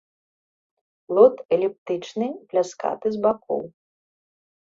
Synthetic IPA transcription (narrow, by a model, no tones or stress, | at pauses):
lˠɔt̪ɛlʲip̚t̪ɨt͡ʂnɨplʲaska̰t̪ɨzbakɔ̰w